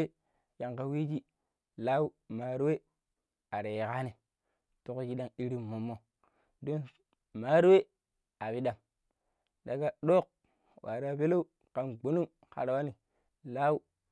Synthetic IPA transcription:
e˦ | ja˨ŋka˨wi˦d͡ʒi˦ | la˦wu˦ | ma˨ɾwe˦ | a˨ɾe˨jka˦ni˨ | tu˦kki˦da˦ŋi˦ɾi˦mːo˨mːo˨ | do˦n | ma˦ɾwe˦ | a˨pi˦da˨m | da˨ɡa˦ɗo˦k̚ | wa̰˨ɾa˦˨pe˦lo˦u˦ | ka˨nɡ͡bo˨nu˦m | ka̰˨ɾa˨wa˦ni˨ | la˦wu˦

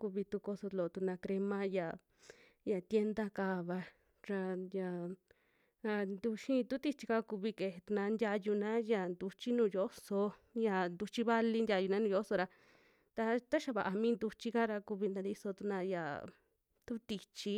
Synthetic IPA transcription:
ku˧βi˧t̪u˧ko˧so˧lo˨˧t̪u˧nã˧kɾe˧mã˦ja˨ | ja˨t̪je˦nd̪a˦kaː˧βa˧ | ɾa˧ja˨ | a˧nd̪u˧ʃĩ˦˧t̪u˦t̪i˧t͡ʃi˧ka˧ku˧βi˧ke˨˧˨he˨˧t̪u˧nã˧ndʲja˧ju˧nã˦ja˨nd̪u˧t͡ʃi˦nũː˧˨jo˦so˧ja˧˨nd̪u˧t͡ʃi˦βa˧li˧ndʲa˧ju˧nã˦nũː˧jo˧˦so˧ɾa˧ | t̪a˧t̪a˦ʃa˧βa˨ʔa˧mĩː˦nd̪u˧t͡ʃi˧ka˦ɾa˧ku˧βi˧nd̪a˧nd̪i˧so˧t̪u˧nã˧ja̰˨ | t̪u˦t̪i˧t͡ʃi˧˦

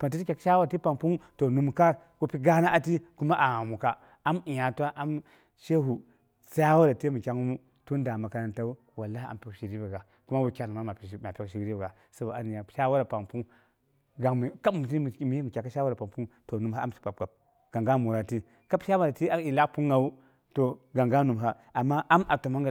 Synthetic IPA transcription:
pa˨nt̬i˦ti˦kʲa˨ka˦a˦wa˦a˨ti˦pa˨ŋpu˦ŋto˨nu˦mka˦ | ko˦pi˦ɡa˦na˦ʔa˦ti˦ku˦ma˦ʔa˨a˨mu˨ka˦ | a˦mi˨ja˨tʷa˦ʔa˦m | ʃe˦ɦu˨ | sa˦wa˦ɾa˨te˦mu˨kʲa˦ŋ˦mu˦ | to˦n˦da˨ma˨ka˦na˦nta˦u˦ | wa˨lːa˦i˦a̰˨m˨pʲi˦kʃi˨ɾi˦ba˨ɡa˨ | ku˦ma˦wu˨kʲa˨n˨ma˨˦ma˨pma˨pʲi˦kʃi˨˦ɾi˦bɡa˨ | sa˦ba˨a˦ni˨ja˨pʃa˦wa˦ɾa˨pa˨ŋpu˦ŋ | ɡa˨ka˦bu˨ti˦˨˦mi˨˦i˦mu˨kʲa˨ka˦ʃwa˦ɾa˨pa˨pu˦ŋto˨nu˨m˨a˦a̰˦msi̥˨pa˨p̚ɡa˨b̚ | ɡ̥a˨ŋɡa˦mu˨ɾa˨ti˦ | ka˦pʃa˦wa˦ɾa˨ti˦a˦i˨la˦kpu˦ŋːa˨wu˦ | to˨ɡa˨ŋɡa˦nu˨mɦa˦ | a˨mːa˦a˦mʔa˨to˨ma˦ŋɡa˨

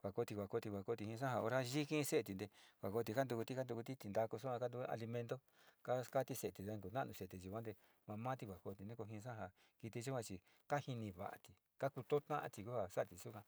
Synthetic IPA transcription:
kʷwʷa˨ko˧t̪i˧kʷa˨ko˧t̪i˧kʷa˨ko˧t̪i˧hĩ˧ʂã˦ɦa˧o˧ɾa˦ʒi˦kĩ˦˧se˦˧t̪i˧nd̪e˧kʷa˨ko˧t̪̬i˧ka˦nd̪u˧ku˧t̪i˧ka˦nd̪u˧ku˧t̪i˦t̪i˧nd̪a˧ku˧su˦ã˧ka˦nd̪u˧a̰˧li˧mẽ˧nd̪o˦ | ka˦ka˦t̪i˧se˧˨t̪i˨e˧ku˧˨nã˦˧ũ˧se˧˨t̪i˨ʒu˧kʷã˦nd̪e˧ | mã˧mã˦t̪i˧kʷa˨ko˧t̪i˧nẽ˦ko˧ɦĩ˧s̬ã˦˨ɦa˧ | ki˧t̪i˧ʒu˦kʷã˧t͡ʃi˧ | ka˦hi˧nĩ˧βa̰˨ʔa̰˨t̪i˨ | ka˦ku˧t̪o˦t̪ã˦ʔã̰˧t̪i˧ku˦ha˧sa˦ʔt̪i˧su˦kʷã˧

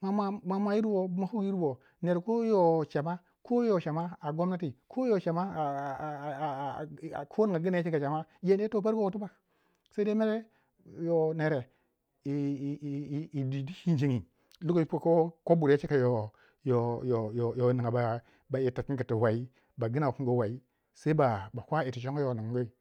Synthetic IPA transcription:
ma˨ma˦ma˨ma˨ji˦ɾbo˨˦ma˨hu˦ki˦ɾbo˨ | ne˨ɾko˦jo˨t͡ʃa˨ma˦ | kʰo˦jo˨ʃa˨ma˦a˨ɡo˦mna˦ti˨kʰo˦jo˨t͡ʃa˨ma˦˨kʰo˦n˨ŋɡa˨ɡi˦n˦˨˦t͡ʃi˦ka˨t͡ʃa˨ma˦je˦n˦e˦to˦pa˦ɾko˦o˨tu˦ba˨k | sa˦i˦de˦me˦ɾe˦ | jo˨ne˨ɾe˨ | i˨ | i˨di˨di˦ʃi˦nd͡ʒi˦ŋi˨ | lu˦ɡo˦pko˦ko˦bu˨ɾa˦t͡ʃi˦ka˨jo˨ | jo˨jo˨jo˨jo˨ni˨ŋa˨ba˨ | ba˨i˨ta˨ki˦ki˨ti˨wa˨i˦ | ba˨ɡi˦na˨wo˨ki˦ŋ˦ɡo˦wa˨i˦ | se˦ba˨ba˨kʷa˦i˨ti˨t͡ʃo˦ŋo˦jo˨ni˨ŋ˨˦ɡo˦i˨

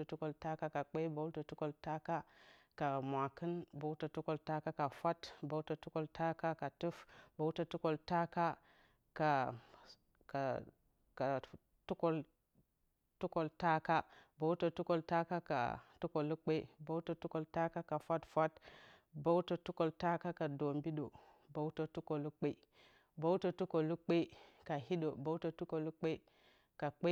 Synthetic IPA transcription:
o˨tu˦ko˨lta˦ka˦ka˨k͡pe˦bo˦to˨tu˦ko˨lta˦ka˦ | ka˨mʷ˨a˨kɨ˦nbo˦wto˨tu˦ko˨lta˦ka˦ka˨fa˦tbo˦wto˨tu˦ko˦lta˦ka˦ka˨tu˦fbo˦wto˦tu˦ko˨lta˦ka˦ | ka˨ | ka˨ | ka˨ | tu˦ko˦l | tu˦ko˨lta˦ka˦ba˨˦wto˨tu˦ko˦˨lta˦ka˦ka̰˨tu˦ko˨lu˦k͡pe˦i˦ba˦wto˦tu˦ko˦˨lta˦ka˦ka˨fa˦tfa˦t | ba˦wto˨tu˦ko˨lta˦ka˦ka˨do˨mbi˦ɗo˨ | ba˨wto˦tu˦ko˨lu˦k͡pe˦i˦ | ba˦wto˨tu˦ko˨lu˦k͡pe˦ka˨hi˦ɗo˨ba˦u˦to˨tu˦ko˨lu˦k͡pe˦i˦ | ka˨k͡pe˦

